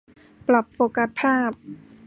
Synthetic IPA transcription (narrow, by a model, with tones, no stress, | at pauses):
pla˨˩p̚foː˧˩ka˧˦˥t̪̚pʰaː˥˩p̚